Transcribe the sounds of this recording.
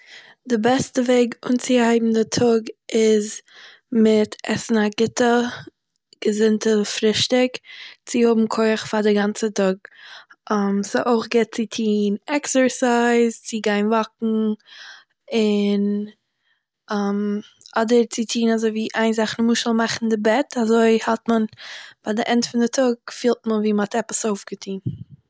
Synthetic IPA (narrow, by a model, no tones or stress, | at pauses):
dɪbɛstəveɪɡṵːnt͡sɪhaɪbm̩dɪtʰʊɡɪz | mɪtɛsn̩aɡɪtə | ɡ̥əzɪntəfɾɪʃtɪkt͡sɪhʊbm̩kʰoɪχfadɪɡant͡sətʊɡ̚ʔamsɪʔoɪχɡɛt̚t͡sɪtʰiːnɛksəɹsaɪzt͡sɪɡaɪnvak̚ŋ̩ | ɪn | amɔdəɾt͡sɪtʰiːnazoɪviːʔaɪnzaχn̩muːʃəlˠmaχn̩dɪbɛtazoɪhɔtmənb̥adɪʔɛntfɪndɪtʰʊɡ̚fiːlˠt̚mənviːmɔtɛpəsoʊfɡ̥ətʰiːn